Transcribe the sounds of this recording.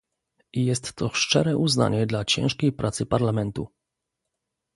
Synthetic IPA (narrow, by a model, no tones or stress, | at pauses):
ijɛst̪ːɔʂt͡ʂɛ̰ɾɛʔuzna̰ɲɛd̪lat͡ɕɛ̰̃w̃ʂkʲejpɾʔat̪sɘpaɾlamɛnt̪u